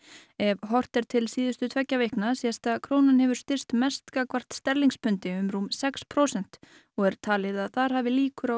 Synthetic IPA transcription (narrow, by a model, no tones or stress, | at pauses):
ɛvɦɔr̥t̪ɛɾt̪ʰɪlsiːðʏst̪ʏt̪ʰvɛcːavejhknasiast̪aðkʰɾoːwnanhɛvʏɾ̥st̪ɪr̥st̪mɛst̪kakvar̥t̪st̪ɛɾliŋkspʰʏnt̪ɪʏmɾuːmsɛkspʰɾowsɛn̥t̪ | ɔɣɛɾ̥t̪ʰaːlɪðaðθaɾ̥haːvɪliːkʏɾa